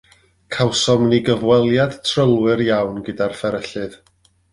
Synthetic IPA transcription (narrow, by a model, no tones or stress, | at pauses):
kʰawsɔmniɡəvwɛlˠjad̥tʰrəlˠwɨrjawnɡədarfɛɾəɬɨð